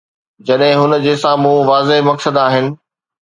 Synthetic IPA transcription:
d͡ʑɐɗɦɪ̃ɦʊn̆d͡ʑeːsãmũʋaːzeɦmɐksəd̪aːɦɪnɪ̆

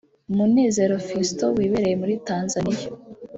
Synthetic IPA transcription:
umune̞ːze̞ɾo̞fistowiːβe̞ɾe̞je̞muɾitaːnzanija

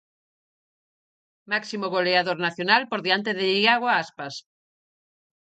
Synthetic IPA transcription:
maksimoɣoleaðoɾnaθjonalpoɾðeant̪eðeʎiaɣwaaspas

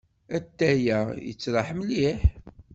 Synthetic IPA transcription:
æt̪ːæjæjə̰t͡sːɾˤɑħməliħ

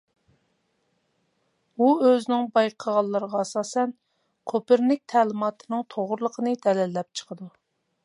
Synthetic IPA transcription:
uøznɪŋbɑjqʰəʁɑlˠːəɾəʁɑɛsɑːsɛn | qʰopɪɾnɪk̚ʲt̪ʰɛːlɪmɑːt̪ʰɨnɨŋt̪ʰoʁɾlˠəqʰənɨd̪ɛlɛlːɛp̚t͡ʃʰə̥qʰəd̪u

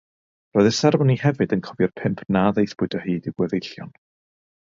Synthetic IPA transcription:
rɔːɨðəsɛrmɔnihɛvɨdənkʰɔvjɔrpʰɪmpʰnaðejθb̥ʊɨdɔhiːdiɡwəðejɬjɔ̰n

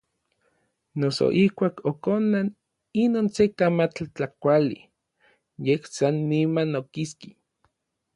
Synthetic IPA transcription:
noso̰ʔihkʷaːkokonan | inoːnsekamat͡ɬt͡ɬakʷali | jehsanːimanokiski

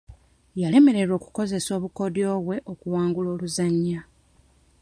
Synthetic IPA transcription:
jale̞me̞ɾe̞ɾo̞ːku̥ko̞ze̞so̞ːβuko̞djo̞ːβwe̞ʔokuwaːŋɡulo̞ːluzaɲːa

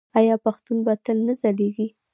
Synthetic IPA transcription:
ɑjɑpaxt̪unbat̪əlnəzaleɡi

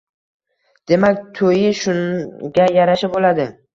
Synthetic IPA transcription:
d̪̥e̞mak̚ʲt̪ʰojɪʃʊŋɡʲajaɾaʃabolad̪ɪ

